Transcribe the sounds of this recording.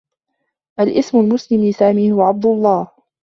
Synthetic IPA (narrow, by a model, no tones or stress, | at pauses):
ʔalʔɪsmʊlmʊslɪmlɪsaːmiːhʊwaʕab̚d̪ʊlˤːɑːh